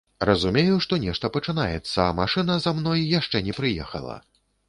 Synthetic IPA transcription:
rɐzumʲejuʂt̪ɔnʲɛʂt̪ɐpɐt͡ʂɨnajɛt̪sːɐːmaʂɨnɐzamnɔjjaʂt͡ʂɛnʲɛpɾɨjɛxɐ̰lˠɐ̰

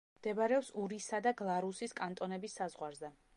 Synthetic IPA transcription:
md̪̥ɛbaɾɛɔpsuɾisad̪aɡlˠaɾusiskʼant̪ʼɔnɛbisːazʁwaɾzɛ

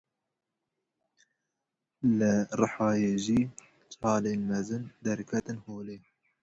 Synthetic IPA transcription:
lɨrɨħɑːjeːʒiː | t͡sʼɑːleːlmɛzɨnd̪ɛɾkʰɛt̪ɨnhoːleː

